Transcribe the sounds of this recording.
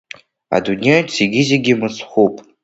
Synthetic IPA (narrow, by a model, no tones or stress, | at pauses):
a̰dunʲejsʰiɡʲɪzeɡʲimɨsχʷupʼ